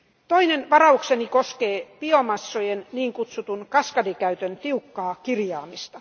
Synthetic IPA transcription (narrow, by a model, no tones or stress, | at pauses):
t̪oinenʋɑrɑuksenikoskeːpiomɑsːojenniːŋkut̪sut̪unkɑskɑdikæyt̪ønt̪iukːɑːkirjɑːmist̪ɑ̥